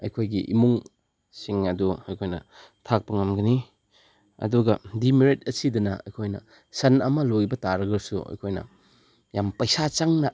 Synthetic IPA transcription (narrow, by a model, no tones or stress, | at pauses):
ɐ̰jkʰojɡiʔḭmuŋ | siŋɐduɐjkʰojnɐ | tʰak̚pɐŋɐmɡɐni | ɐ̰duɡɐdimiɾet̚ɐsidɐnɐɐ̰jkʰojnɐ̰ | sɐnɐmɐloibɐtaɾɐɡɐsuɐ̰jkʰojnɐ̰ | jampɐjsat͡ʃaŋnɐ